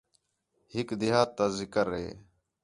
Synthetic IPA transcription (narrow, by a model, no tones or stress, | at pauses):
hɪkd̪ɪɦaːt̪ːaːzɪkəɾɦḛː